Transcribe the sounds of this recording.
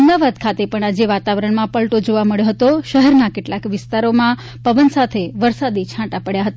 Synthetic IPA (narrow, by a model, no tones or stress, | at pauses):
əmd̪aʋad̪̚kʰat̪epəɳad͡ʒeʋat̪aʋəɾəɳmãpəlʈod͡ʒoʋaməɭjoɦət̪oʃəɦɛɾnakeʈlakʋɪst̪aɾomã | pəʋənsat̪ʰeʋəɾsad̪it͡ʃʰãʈapəɽjaɦət̪a